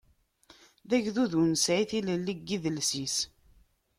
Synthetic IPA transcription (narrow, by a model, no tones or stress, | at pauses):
ðæʝðuðunsʕiθiləlːiɡːiðəlsis